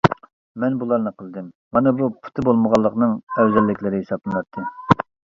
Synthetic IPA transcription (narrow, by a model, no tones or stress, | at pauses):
mɛnbulˠɑɾnɨqʰəlˠd̪ɨmːɑnɨbupʰu̥t̪ʰɨbolˠməʁɑlˠːəqnɨŋɛwzɛlːɪkʲlɪɾɪhesɑplˠɨnɑt̪ʰːɨ